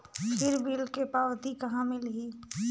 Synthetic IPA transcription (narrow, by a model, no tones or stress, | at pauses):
pʰɪɾbilkepaːʋt̪ikɐɦãmɪlɦiː